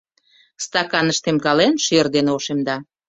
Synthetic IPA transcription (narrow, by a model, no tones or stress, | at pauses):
st̪ɑkɑnəʃt̪emkɑlenʃerd̪enoʃemd̪ɑ